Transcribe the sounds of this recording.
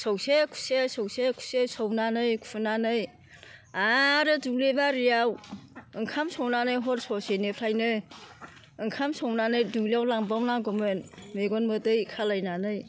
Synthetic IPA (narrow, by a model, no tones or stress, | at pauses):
sɔwsekʰu̥sesɔwsekʰu̥sesownanɯjkʰu̥unanɯj | aɾɯduŋlebaɾijawɯŋkʰamsownanɯjɦɔɾsɔsenepʰɾajnɯ | ɯŋkʰamsɔwnanɯjduŋlijawlaŋbawlaŋɡɔmɯnmeɡɔnmɯdɯjkʰalajnanɯj